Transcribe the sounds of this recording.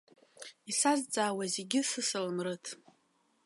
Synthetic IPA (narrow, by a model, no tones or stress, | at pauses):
isazd͡zʼaːwazeɡʲɪsɨsɨlmrɨtʼʰ